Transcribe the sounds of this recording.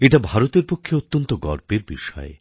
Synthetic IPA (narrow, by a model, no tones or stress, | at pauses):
eʈabʱaɾot̪eɾpokʰːeot̪ːont̪oɡɔɾpeɾbiʃɔḛ